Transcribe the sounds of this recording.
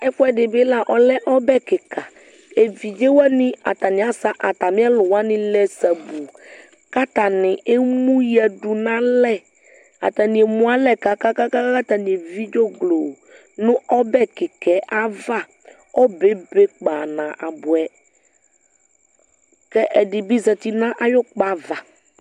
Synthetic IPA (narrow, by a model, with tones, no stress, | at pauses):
ɛ˦fʊ˦ɛ˨dɪ˨bɪ˦la˨ʔɔ˨lɛ˦ʔɔ˦bɛ˦kɪ˨ka˨ | e˨vi˨d͡ʒe˦wa˦nɪ̃˦a̰˨t̪a˨nɪ̃˨a˦sa˦ʔa˨t̪a˨mɪ̃˦a˦lʊ˨wa˦nɪ̃˦lɛ˦sa˨bu˨ | ka˦t̪a˨nɪ̃˨ʔe˦mũ˦ja˨du˨nã˦lɛ˦ | a̰˨t̪a˨nĩ˨e˨mũ˦a˦lɛ˦ka˨ka˦ka˦ka˦a˦ka˦t̪a˨nĩ˨e˨vi˦d͡ʒo˦ɡlo˨ | nʊ̃˦ʔɔ˦bɛ˦kɪ˨kɛ˨ʔa˦va˦ | ɔ˦be˦be˦k͡pa˨nã˨ʔa˨bʊ˨ɛ˨ | kɛ˦ʔɛ˨dɪ˨bi˦zɛ˨t̪i˦nã˦ʔa˦jɔ˦k͡pa˨va˨